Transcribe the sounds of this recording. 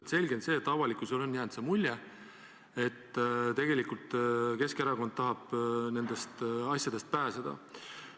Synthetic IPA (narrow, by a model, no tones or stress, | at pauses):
t̪se̞lʲɡense̞ːt̪ːˑɑvɑlikusolo̞nːjæːnd̪̥semulʲːje | e̞t̪ːˑt̪e̞ɡ̥e̞likult̪ke̞skeɾɑko̞nd̪̥̚t̪ɑɦɑb̥ne̞nd̪̥e̞st̪ɑsʲjɑd̪̥e̞st̪̚pæːsed̪̥ɑ̰